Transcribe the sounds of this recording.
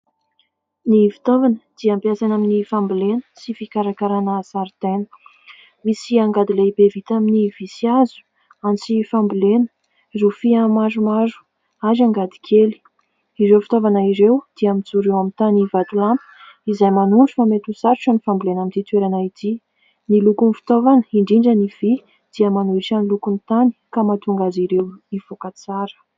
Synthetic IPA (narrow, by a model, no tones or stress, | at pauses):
nifi̥t̪ovanəd̪̥iampjasanaminifambilenə̥sifikaɾakaɾanaːsaɾt̪enə̥ | misiaŋɡad̪ileibevit̪aminivisiazu̥ | ant͡sifambilenə̥ | refiamaʐumaɾu̥ | azaŋɡad̪i̥kʰeli̥ | iɾewfi̥t̪ovanaiɾewd̪̥iamit͡suɾewamit̪anivat̪ulampi̥ | izajmanuɳʈ͡ʂufamet̪usaɾʈ͡ʂanifambilenamint̪it̪weɾanait̪i | nilukunfi̥t̪ovanə̥iɳɖ͡ʐiɳɖ͡ʐəniv̥i | d̪̥iəmanuiʈ͡ʂanilukunt̪ani̥kamat̪uŋɡaziɾewiv̥okat͡saɾə̥